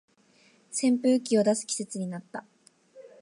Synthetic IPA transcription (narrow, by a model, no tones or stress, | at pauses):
sẽ̞mpɯ̟ːkʲio̞d̪asɨ̥kʲi̥se̞t͡sɨɲ̟inat̪ːa